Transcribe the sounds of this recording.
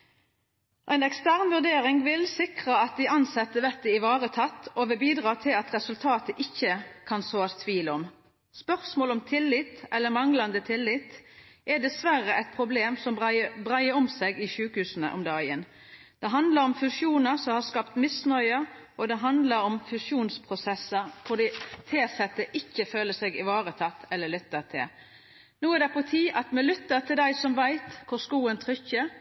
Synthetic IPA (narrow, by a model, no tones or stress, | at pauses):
ʔæɪnɛkst̪æʁnʋʉʁd̪eːʁɪŋʋɪlsɪkʁəɑt̪̚d̪ɪɑnsɛt̪ːəʋɛt̪ːəɪʋɑːʁət̪ʰɑt̪ːɔʋɛːbiːd̪ʁɑːt̪ʰɪlɑt̪ʁɛsʉlt̪ʰɑːt̪əʔɪçːəkʰɑnsoːɑst̪ʰʋiːlɔm | spœʁsmoːlɔmt̪ʰɪlːɪt̪ʔɛlːəmɑŋlɑnd̪ət̪ʰɪlːɪt̪ | ʔɛd̪ɛsʋæʁəʔɛɪt̪̚pʰɾʊbleːmsɔmbʁæɪəɾɔmseːɡɪʃʉːkəhʉːsənə̰ʔɔ̰md̪ɑːɡə̰n | d̪̥ɛɦɑnd̪lɑɾɔmfʉsjuːnəsɔmhɑʁskɑpt̪mɪsnœʏə | ʔɔd̪ɛɦɑnd̪lɑɾɔmfʉsjuːnspʰʁʊsɛsːəɾkɔd̪iːt̪ʰeːsɛt̪ːəʔɪçːəføːləsɛɡɪʋɑːɾət̪ʰɑt̪ːɛlːəlʏt̪ːət̪ʰɪ̰l | nuːɛd̪ɛpʰɔt̪ʰiːʔɑt̪mɛlʏt̪ːət̪ʰɪld̪æɪsɔmʋæɪt̪kʰʊʁskuːənt̪ʰɾʏçːə